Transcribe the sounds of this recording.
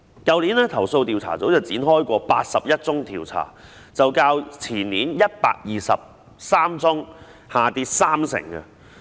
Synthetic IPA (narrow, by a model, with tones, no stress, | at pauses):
kɐ˨˧wliː˨˥nɛː˥t̪ʰɐ˨˩wso˧wt̪iː˨wt͡sʰa̰ː˨˩t͡so˨˥wt͡sɐ˨wt͡siː˨˥nhɔː˥jkʷɔː˧paː˧t̚sɐ˨p̚jɐ˥t̚t͡sʊ˥ŋt̪ʰiː˨˩wt͡sʰa̰ː˨˩ | t͡sɐ˨wkaː˧wt͡sʰiː˨˩nniː˨˥njɐ˥t̚pa̰ː˧k̚jiː˨˩sɐ̰˨p̚ | saː˥mt͡sʊ˥ŋ | haː˨t̪iː˧˥saː˥msɪ̰˨˩ŋkɛ̰˧